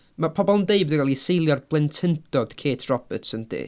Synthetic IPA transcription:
mapʰɔbɔlˠndeɨbɔdəɡalˠisejlˠjɔrblˠɛntʰɪntɔd̥kʰeːtʰrɔb̥ɨtʰsəndḭː

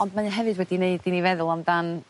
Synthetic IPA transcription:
ɔndmanɪnɦɛvɨdwɛdineɨdinivɛðʊlˠamdan

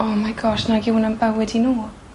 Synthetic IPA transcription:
ɔːmajɡɔʃnaɡɪwnanbawɛdinuː

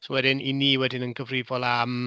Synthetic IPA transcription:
sowɛdɪniniːwɛdɪnənkʰəvriːvɔlˠam

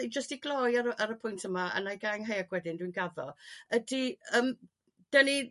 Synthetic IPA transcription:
id͡ʒəstiɡlˠɔjaɾəaɾəpʰʊjntʰəmaa̰najɡajŋɦejaɡwɛdɪndwinɡaðɔədiəːm | d̥əni

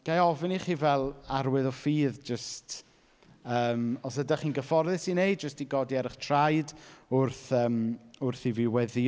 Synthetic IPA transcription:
ɡ̥ajɔvɪniχiːvɛlˠaɾwɨðɔfiːðd͡ʒəst | əːmɔsədaχiːnɡəfɔrðɪsinejd̚d͡ʒəstiɡɔdiɛɾɪχtʰrajdʊrθəːmʊrθivɪwɛði

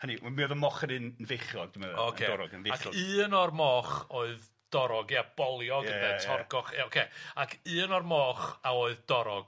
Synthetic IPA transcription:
hənimiɔðəmɔχənɨnənveχjɔɡ̚dɪməðokʰeɔɾɔɡəneaχɨːənɔrmɔːχoːɨð | d̥ɔɾɔɡiab̥ɔlˠjɔɡənðɛtʰɔrɡɔχeokʰeakʰɨːənɔrmɔːχaoːɨðdɔɾɔɡ̥

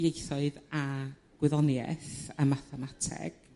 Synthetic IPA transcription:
jejθɔɨða | ɡ̥wɪðɔnjɛ̰θamaθɛmatʰɛ̰ɡ̥

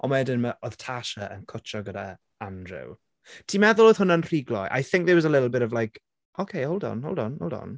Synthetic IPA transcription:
ʔɔmɛdənmaʔɔð̥tʰaʃəʔə̰nkʰʊt͡ʃɔɡəda | andrɪ̰w | tʰiːmɛðʊlˠoːð̥ɦʊnənr̥iɡlɔ̰jʔa̰jθɪ̃ŋk̚ðəwɔzəlɪɾl̩ˠbɪtɔvlajk | okʰejowlˠdɔ̰no̰lˠdɔ̰no̰wlˠdɔ̰n

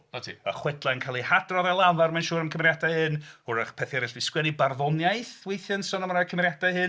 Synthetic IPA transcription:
nɔtʰḭə̰χwɛdlˠajnkʰalˠihadrɔðɛlˠavaɾmanʃuːɾəmkʰəmɾjadahɨnhʊɾaχpʰɛθjɛɾɪɬd̥iskwɛnibarðɔnjajθwejθjansɔnɔmɾakʰəmɾjadahɨ

